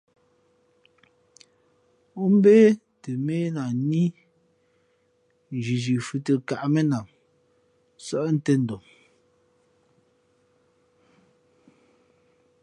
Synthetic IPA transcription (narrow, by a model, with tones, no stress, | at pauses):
o˦m̩˦be˦ | te˨me˦na˨ni˦˨ | d͡ʒi˨d͡ʒi˨fʉ˦˨te˨ka˨ʔme˦na˨ŋ | sɔ˦ʔn̩˦te˦n̩˨do˨m